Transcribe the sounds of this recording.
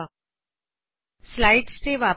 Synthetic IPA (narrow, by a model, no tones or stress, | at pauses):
slaiʈst͡seʋa